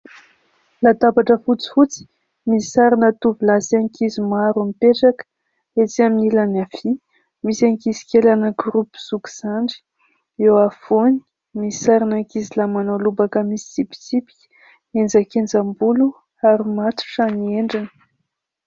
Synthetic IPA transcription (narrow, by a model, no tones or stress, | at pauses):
lat̪abaʈ͡ʂəfut͡si̥fut͡si̥ | misaɾinət̪uvilaziaŋkizimaɾumipeʈ͡ʂakə̥ | et͡siaminilanafi | misaŋkizi̥kelanəɡɾupu̥z̥uki̥z̥aɳɖ͡ʐi̥ | ewafoni̥ | misaɾinaŋkizilamanolubakəmisizipi̥t͡sipi̥kʲ | end͡zakend͡zambulu | aɾimat̪u̥ʈ͡ʂanieɳɖ͡ʐinə̥